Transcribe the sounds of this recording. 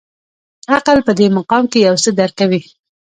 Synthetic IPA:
aqalpəd̪emaqɑmkejawsəd̪aɾkawi

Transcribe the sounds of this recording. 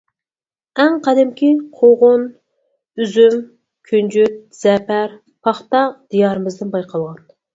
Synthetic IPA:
ɛŋqʰɑd̪ɪmkʲiqʰoʁʊn | yzym | kʲʰynd͡ʒyt̪̚z̥ɛpæɾ | pʰɑχt̪ɑd̪̥ijɑɾɨmɪzd̪ɪnbɑjqɑlˠʁɑn

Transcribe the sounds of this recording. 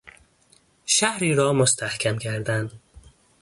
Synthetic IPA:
ʃæhɾiːɾɒːmost̪ʰæhkʲʰæmkʰæɾd̪æn

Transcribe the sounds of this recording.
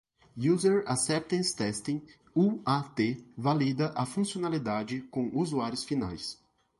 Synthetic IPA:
juzeɾasɛp̚t̪ẽnst̪ɛst̪ĩŋ | uat̪evalid̪ɐʔɐfũsionalid̪ad͡ʒɪkõuzuaɾjʊsfina̰js

